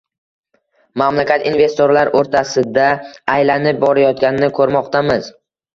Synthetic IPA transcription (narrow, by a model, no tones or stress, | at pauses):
mamlakʲat̪inve̞st̪oɾlaɾoɾt̪ʰasɪd̪aːjlanɪp̚bɒɾajɒt̪ɡʲanɪnɪkʰɵɾmɒqt̪ʰamɪz